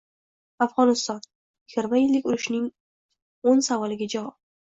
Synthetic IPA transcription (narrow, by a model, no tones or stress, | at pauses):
afʁɒnɪst̪ɒn | jɪɡʲɪɾmajɪlːɪkʲʊɾɪʃnɪŋ | onsavɒlɪɡʲad͡ʒavɒp̚